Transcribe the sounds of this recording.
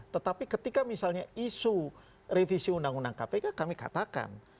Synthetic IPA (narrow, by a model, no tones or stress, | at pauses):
t̪ət̪apikət̪ikamisalɲaisu | refisiundaŋundaŋkapekakamika̰t̪aka̰n